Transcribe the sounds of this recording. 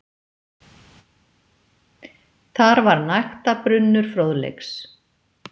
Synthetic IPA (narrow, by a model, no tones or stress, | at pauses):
θaɾvaɾnajxt̪apɾʏnːʏɾ̥fɾowðlḛjks